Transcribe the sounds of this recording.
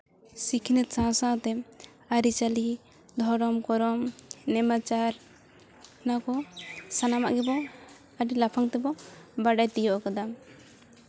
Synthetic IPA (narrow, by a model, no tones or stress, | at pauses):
sikʰinɛt̪̚sãsãt̪ɛ | aɾit͡ʃali | d̪ʱɔɾɔmkɔɾɔmnɛmat͡ʃaɾ | nakɔsanama̰ʔɡɛbɔ | aɖilapʰaŋt̪ɛbɔbaɖajt̪ijɔʔɔkad̪am